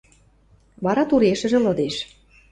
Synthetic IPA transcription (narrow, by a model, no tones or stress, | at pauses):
βɑɾɑt̪uɾeʃə̆ʒĕlɤ̆d̪eʃ